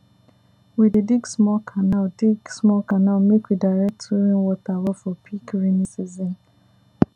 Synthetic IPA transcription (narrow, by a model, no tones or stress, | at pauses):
widediɡsmɔlkʰanaldiɡsmɔlkanamekwidaɪɾɛk̚tʰɔɾĩnwɔtawɛfɔpʰikɹinisizɔ̃n